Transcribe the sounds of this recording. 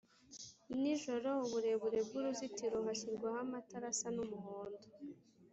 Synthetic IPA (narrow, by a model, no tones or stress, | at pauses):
niʒoɾouβuɾe̞βuɾe̞b̚ɡuɾuzitiɾoɦaçiɾɡwahamataɾasanumuhoːndo